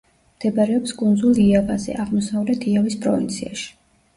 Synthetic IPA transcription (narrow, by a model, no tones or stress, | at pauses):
md̪̥ɛbaɾɛɔpskʼund̪zulˠiavazɛ̰ʔaʁmɔsavlɛt̪ʰiavispʼɾɔvint̪sʰiaʃi̥